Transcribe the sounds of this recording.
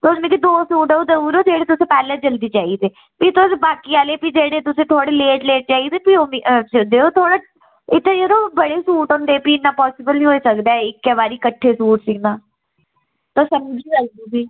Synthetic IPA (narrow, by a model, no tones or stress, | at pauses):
t̪osmẽːkid̪oːsuːʈːoːd̪əuːɾoːd͡ʒeːɽeːt̪ʊsẽːpɛːleːd͡ʒəld̪iːt͡ʃaːiːd̪eː | piːt̪ʊsbaːkiːaːleːpiːd͡ʒeːɽeːt̪ʊsẽːt̪ʰoːɽeːleːʈleːʈ̚t͡ʃaːiːd̪eːpiːomid͡ʒd͡ʒeːoːt̪ʰoːɽaː | ɪt̪ːẽd͡ʒeɾoːbəɽeːsuːʈɦʊ̃nd̪eːpiːɪnːãːpɔːsɪbəlnĩːɦoːiːsəkd̪eːɪkːɛːbaːɾiːkəʈʰːeːsuːʈsɪːnãː | t̪oːsəmd͡ʒiːlək̚d̪uːbiː